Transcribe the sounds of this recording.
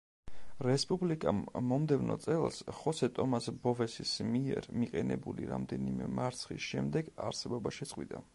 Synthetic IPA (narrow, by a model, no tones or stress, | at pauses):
ɾɛspʼublikʼamːɔmd̪ɛvnɔ̰t̪sʼɛlˠsχɔsɛt̪ʼɔmasbɔvɛsismiɛɾmiqʼɛnɛbuliɾamd̪ɛnimɛmaɾt̪sʰχḭsʃɛmd̪ɛɡaɾsɛbɔbaʃɛt̪sʼqʼwid̪a̰